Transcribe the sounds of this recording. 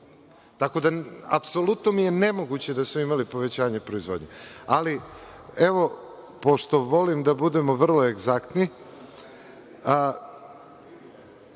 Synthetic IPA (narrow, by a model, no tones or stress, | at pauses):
t̪ako̞d̪aa̰pso̞lut̪no̞mijene̞mo̞ɡut͡ɕe̞d̪asmoimalipo̞ʋe̞t͡ɕaːɲepɾo̞izʋo̞d̪ɲealieʋo̞ | po̞ʃt̪o̞ʋo̞limd̪abud̪e̞mo̞ʋr̩lo̞e̞ɡzakt̪ni